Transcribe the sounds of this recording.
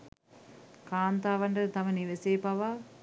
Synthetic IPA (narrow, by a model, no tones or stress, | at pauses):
kaːnt̪aːʋɐɳɖɐɾt̪ɐmɐniʋeseːpɐʋa